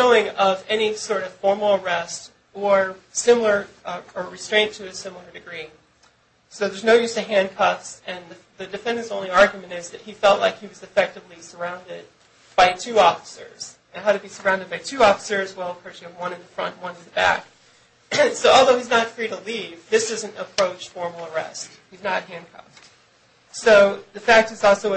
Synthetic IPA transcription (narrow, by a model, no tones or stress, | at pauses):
oʊɪ̃ŋʌvɛnisɔɹɾʌv̥fɔɹml̩ˠə˞ɛst | ə˞sɪ̃ml̩ˠə˞ʌə˞ɹɨstɹ̥ẽɪ̃ntʰɨːsɪ̃ml̩ˠə˞dɨɡɹi | soʊðə˞znoʊjʉz̥tɨɦæ̃nkʰʌfsɨ̃nðɨ | ðɨdɨfɛ̃ndə̃nzõʊ̃nliɑɹɡjmɨ̃ñtɪzðɨt̚hifɛlˠʔla̰ɪkhiwʌzɨfɛk̚tɨvlisə˞ãʊ̃ndɪd̚ | b̥aɪtʰʉɔfə̥sə̰˞z̥ | ɨ̃nɦaʊɾɨbisə˞ãʊ̃ndɨd̚baɪtʰʉɔfə̥sə˞zwɛlˠkʰɹ̥oʊt͡ʃɨ̃wʌ̃nɨ̃nðəfɹʌ̰̃nʔwʌ̃nnðəbæ̰k | soʊɔlˠðoʊiznətfɹiɾəlivðɪsʌzɨ̃n̩təpʰɹ̥oʊt͡ʃfɔɹml̩ˠə˞ɛ̰st̚hiznəɾɨɦæ̃nkʰɑ̰ft | soʊðɨfæk̚tɨzɔlˠsoʊ